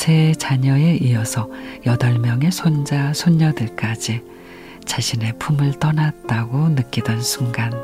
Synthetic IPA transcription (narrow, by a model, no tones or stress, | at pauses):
sʰe̞t͡ɕaɲʌe̞ʔiʌsʰʌjʌdʌɭmjʌŋe̞sʰond͡ʑasʰoɲːʌdɯɭk͈ad͡ʑi | t͡ɕaɕʰine̞pʰumɯɭt͈ʌnat̚t͈aɡonɯk͈idwʌnsʰuŋɡan